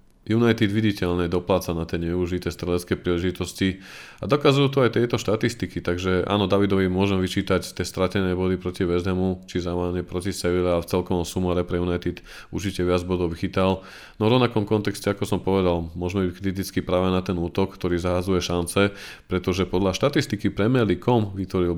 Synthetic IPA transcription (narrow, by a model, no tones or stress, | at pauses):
junajt̪id̪ʋiɟicɛʎlnɛd̪ɔplaːt͡sanat̪ɪɛɲɛuʒit̪ɛːst̪ɾɛʎɛskɛːpɾiːlɛʒit̪ɔsci | ad̪ɔkazujuːt̪ɔajt̪ɪɛjt̪ɔʃt̪at̪ist̪ikit̪aɡʒɛʔa̰ːnɔd̪aʋid̪ɔʋimʊɔʒɛmʋit͡ʃiːt̪act̪ɪɛst̪ɾacɛnɛːbɔd̪ipɾɔciʋɛzd̪ɛmut͡ʃizamɛaɲɛpɾɔcisɛʋiɾaaft͡sɛlkɔʋɔmsumaɾɛpɾɛjunajt̪it̪ | uɾt͡ʃicɛʋɪad͡zbɔd̪ɔʊʋxit̪al | nɔvɾɔʋnakɔmkɔnt̪ɛkscɛakɔsɔmpɔʋɛd̪almʊɔʒmɛbickɾit̪̬it͡skipɾaːʋɛnat̪ɛnuːt̪ɔkkt̪ɔɾiːzaɦad͡zujɛʃant͡sɛ | pɾɛt̪ɔʒɛpɔd̪laʃt̪at̪ist̪ikipɾɛmɛlikɔmʋit̪ʋɔɾil